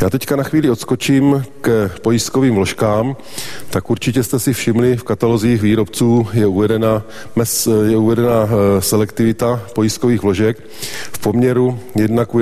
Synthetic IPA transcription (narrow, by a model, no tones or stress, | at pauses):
jaːt̪ɛckanaxviːlɪot̪sko̞t͡ʃiːmkɛpo̞jɪskoviːmvlo̞ʃkaːm | t̪akʔuɾt͡ʃɪcɛst̪ɛsɪfʃɪmlɪfkat̪aloziːxviːɾo̞pt͡suːjɛuvɛdɛna | mɛsjɛuvɛdɛnasɛlɛkt̪ɪvɪt̪apo̞jɪsko̞viːxvlo̞ʒɛk | fpo̞mɲɛɾujɛdnaku